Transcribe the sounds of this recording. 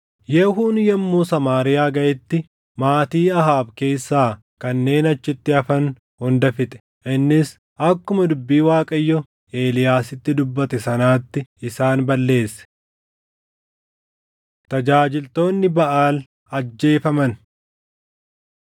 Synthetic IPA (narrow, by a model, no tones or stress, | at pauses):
jɛhuːnjɛmːuːsɐmaːɾɪjaːɡɐjɪt̪ːɪ | maːt̪iːɐɦaːbke̞ːsːaː | kɐnːe̞ːnɐt͡ʃːɪt̪ːɪɐfɐn | hʊnd̪ɐfɪt̪ʼɛ̥ | ʔɪnːɪs | ʔɐkːʊmɐd̪ʊbːiːwaːkʼɐjːɔ | e̞ːlɪjaːsɪt̪ːɪd̪ʊbːɐt̪ɛsɐnaːt̪ːɪɪsaːnbɐlːe̞ːsːɛ̥ | t̪ɐd͡ʒaːd͡ʒɪlt̪o̞ːnːɪbɐʔaːl | ɐd͡ʒːe̞ːfɐmɐn